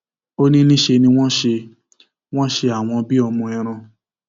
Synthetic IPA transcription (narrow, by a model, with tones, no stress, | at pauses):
o˦nĩ˦nĩ˦ʃe˧nĩ˧w̃ɔ̃˦ʃe˧ | w̃ɔ̃˦ʃe˧a˨w̃ɔ̃˧bi˦ɔ˧mɔ̃˧ɛ˧ɾ̃ã˧